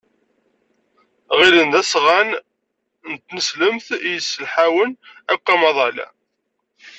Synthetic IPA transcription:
ʁɪɾənðæsʁæn | nt̪ːnəsləmθjəsːəlħawənækʷːæmɑðˤɑlæ̰

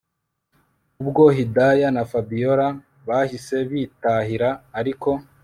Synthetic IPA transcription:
ubɡo̞ɦidajanafabijoɾa | βahise̞βiːtaɦiɾaːɾiko̞

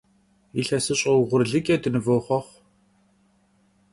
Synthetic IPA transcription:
iɬɐsɨɕʼɐwʁʷʊrɮɨkʲʼɛdɨnɨvoːχʷɔχʷ

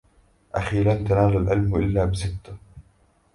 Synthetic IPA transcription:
ʔaxiːlant̪anaːlalʕɪlmʔɪlːaːbɪsɪt̪ːa

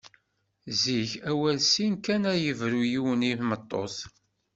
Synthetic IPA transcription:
ziçæwælsinkænæjəvɾujiwəniθmət̪ˤːo̰θ

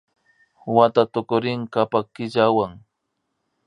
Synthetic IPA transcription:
wat̪at̪ʊkʊɾɪŋkapakɪʎawaŋ

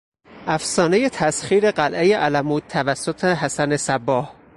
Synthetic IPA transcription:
ʔæfsɒːne̞jet̪ʰæsxiːɾe̞ɢælʔejeʔælæmuːd̪̚t̪ʰːævæsːot̪ʰeɦæsænesæbːɒːh

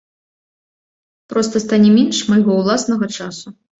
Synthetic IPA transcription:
pɾɔst̪ɐst̪anʲɛmʲɛnʂmɐjɣɔwlˠasnɐɣɐt͡ʂasu

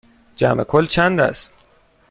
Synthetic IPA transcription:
d͡ʒæ̰mekʰolt͡ʃʰænd̪æ̰st̪

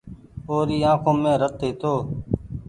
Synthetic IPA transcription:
oːɾiːãːkʰõːmẽːɾət̪ːeːt̪ʰoː

